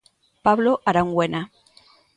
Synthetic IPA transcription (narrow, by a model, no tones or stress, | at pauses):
paβloʔaɾaŋɡwena